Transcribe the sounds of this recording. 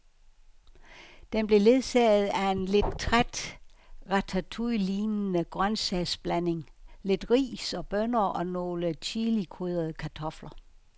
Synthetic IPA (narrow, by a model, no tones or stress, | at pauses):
d̥emb̥le̝le̝ðˠsɛð̩ˠæe̝nle̝d̥t͡sʰʁad̥ʁɑt͡sʰæt͡sʰuliːnənəɡ̥ʁɶnsɛsb̥læne̝ŋle̝d̥ʁḭːsɒ̽b̥ønɐʔɒ̽no̝ːlət͡sʰilikʰʁuðˠɐð̞ˠəkʰæt͡sʰɒ̽flɐ